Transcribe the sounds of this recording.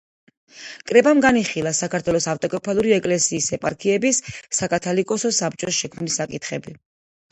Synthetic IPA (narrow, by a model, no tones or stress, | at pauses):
kʼɾɛbamɡaniχilˠasakʰaɾt̪ʰwɛlɔsaft̪ʼɔkʼɔpʰalˠuɾiɛkʼlɛsiːsɛpʼaɾkʰiɛbisːakʼat̪ʰɔlikʼɔsɔsap̚t͡ʃʼɔsʃɛkʰmnlisakʼit̪ʰχɛbi